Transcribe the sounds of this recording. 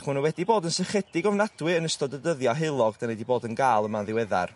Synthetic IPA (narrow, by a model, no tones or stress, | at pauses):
χuːnəwɛdiboːdənsɛχɛd̥ɪɡɔvnadwɨənəstɔdədəðjɔɦɪlˠɔɡd̥anɛdiboːdənɡaːlˠəmanðɪwɛða̰r